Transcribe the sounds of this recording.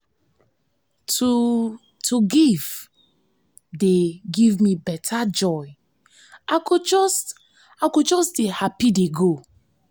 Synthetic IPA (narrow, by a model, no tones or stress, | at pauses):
tu | tʰuɡiv̥ | deɡivmibɛtʰad͡ʒɔɪ | akud͡ʒɔst | akud͡ʒɔsdehapideɡo